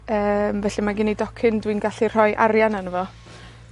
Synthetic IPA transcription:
əːmvɛɬimaɡɪnidɔkʰɪndwinɡaɬir̥ɔjʔa̰ɾjananəvɔ

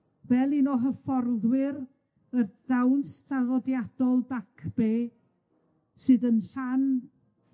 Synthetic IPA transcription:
vɛlˠinɔɦəfɔrðwɪɾ | ərðawnstaðɔdjad̥ɔlˠbakʰb̥eː | sɨːðənɬan

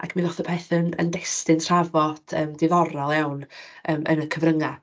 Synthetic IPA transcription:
a̰kʰminɔθɔpʰɛθənə̰ndɛstɪntr̥avɔd̥əːmdɪðɔɾɔlˠjawnəːmʔə̰nəkʰəvrəŋa

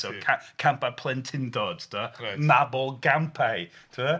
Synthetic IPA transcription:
sokʰakʰampapʰlˠɛntʰɪndɔd̥tʰəənabɔlˠɡampʰajtʰuə

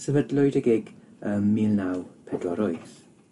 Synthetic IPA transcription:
səvədlʊɨdəɡeɡ̥əːmːiːlnawpʰɛdwɔɾɔɨθ

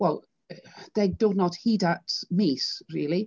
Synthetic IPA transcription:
wɛlˠ | ðeɡ̚dodⁿnɔthiːdatmiːsɹiːlˠi

